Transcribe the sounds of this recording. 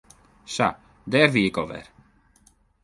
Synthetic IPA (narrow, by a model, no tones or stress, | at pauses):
sa̰ | dɛːrʋiɪkoʋɛ̰r